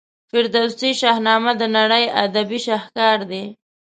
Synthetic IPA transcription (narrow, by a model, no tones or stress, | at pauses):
fɪɾd̪awsiʃɑhnɑmad̪ənaɽəja̰d̪abiʃahkɑɾd̪e